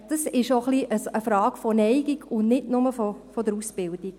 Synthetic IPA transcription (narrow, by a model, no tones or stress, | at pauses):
d̥ɑsɪʃoχliʔəsəfɾɑːɡfɔnɛɪɡiɡʊnnɪtnʊməfɔfɔdəɾusb̥ɪld̥ik